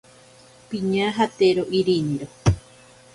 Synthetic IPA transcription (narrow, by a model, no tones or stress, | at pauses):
pĩɲãɦat̪eɾoʔiɾinĩɾo